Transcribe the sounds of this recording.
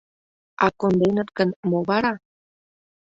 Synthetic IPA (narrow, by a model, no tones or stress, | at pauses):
ɑkond̪enət̪̚ɡənmoβɑɾɑ